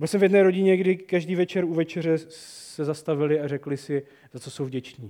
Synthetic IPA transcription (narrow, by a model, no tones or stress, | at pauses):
bɪlsɛmvjɛdnɛːɾo̞ɟɪɲɛɡdɪkaʒdiːvɛt͡ʃɛɾuvɛt͡ʃɛr̝ɛsɛzast̪avɪlɪarɛklɪsɪ | zat͡sosowvɟɛt͡ʃniː